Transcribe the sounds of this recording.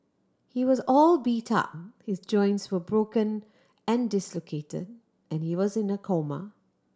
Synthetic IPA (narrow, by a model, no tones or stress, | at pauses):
hiwɔzɔːlˠbitʰʌ̰p̚hɪzd͡ʒɔ̃ɪ̃ntswəbɹokə̃n | ɛ̃ndɪslokʰetɪ̰d̚ | ɛ̃nhiwɔzɪ̃nəkʰomə̰